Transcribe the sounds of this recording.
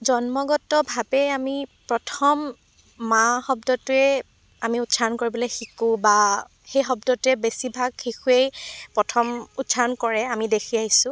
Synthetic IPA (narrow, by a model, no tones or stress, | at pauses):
zɔnmɔɡɔtɔbʱabɛamipɹɔtʰɔmː | axɔbdɔtʊɛ | amiutsaɔnkoɹibɔlexikuba | xejxɔbdɔtʊɛbesibʱaɡxikʰuejpɹɔtʰɔmutsaɔnkɔɹɛamidekʰiaɦisʊ̃